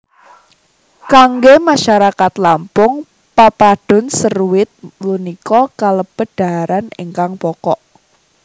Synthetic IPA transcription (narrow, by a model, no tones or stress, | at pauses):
kaŋɡemaʃaɾakat̪lampʊŋ | papaɖ̥ʊ̤nsərwɪt̪̚lunikɔkaləb̥əd̥a̤aɾanɪ̰ŋkaŋpɔkɔʔ